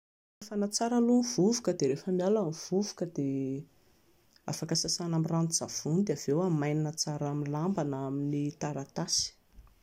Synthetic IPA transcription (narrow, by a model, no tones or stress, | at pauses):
afanat͡saɾəlunivuvukəd̪eɾefəmjalamiv̥uvu̥kəd̪e | a̰fakasasanamiranuz̥av̥und̪eav̥ewamajninət͡saɾamilambanaminit̪aɾat̪asi̥